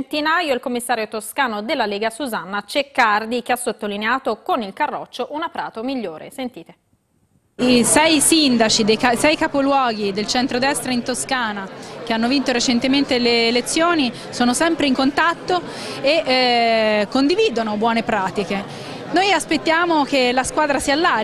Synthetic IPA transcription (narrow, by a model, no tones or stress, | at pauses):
nt̪inajoilkomːisːaːɾjot̪oskaːnod̪elːaleːɡasuzanːat͡ʃekːard̪ik̟easːot̪ːolineaːt̪okonilkarːɔ̰t͡ʃːoʔunapɾa̰ːt̪omiʎːoːɾʔḛsent̪iːt̪e | isɛjsind̪at͡ʃid̪ejasɛjkapolwɔːɡ̟id̪elt͡ʃɛnt̪ɾod̪ɛst̪ɾaint̪oskaːnakeanːovint̪oɾet͡ʃent̪ement̪eleːlet̪sːjoːni | soːnosɛmpɾeiŋkont̪at̪ːo | e | kːond̪iviːd̪onobwɔːnepɾaːt̪ike | nojaspet̪ːjaːmok̟elaskwaːd̪ɾasiːalːaː